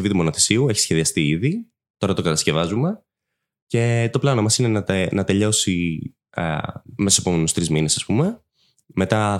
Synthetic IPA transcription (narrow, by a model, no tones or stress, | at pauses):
vit̪umo̞noθesiueçi̥sçe̞ðiɐst̪iiði | t̪o̞ɾɐt̪o̞kɐt̪ɐsce̞vɐzume̞ | ce̞t̪o̞plɐnomɐsine̞nɐt̪enɐt̪e̞ʎo̞si | me̞sospomenust̪ɾizminesɐspume̞ | me̞t̪ɐ